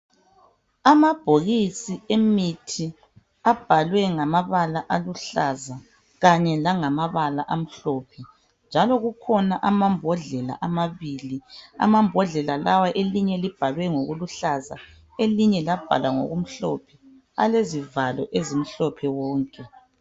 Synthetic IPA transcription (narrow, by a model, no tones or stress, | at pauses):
amab̥ʱoɣisiemitʰi | ab̥ʱalwɛŋamaβalaʔaluɬaza | ɣaɲɛlaŋamaβalaʔam̩ɬɔpʰɛ | nd͡ʒʱalɔɣukʰɔnaʔamambʱɔɮɛla̰ʔamaβiːlia̰mambʱɔɮɛlalawaʔeliɲɛlib̥ʱalwɛŋoɣuluɬaza̰ | eliɲɛlab̥ʱa̰lwaŋo̰ɣum̩ɬɔ̰pʰɛ | a̰lezivalɔ̰ʔezim̩ɬɔpʰɛwɔːŋkʼɛ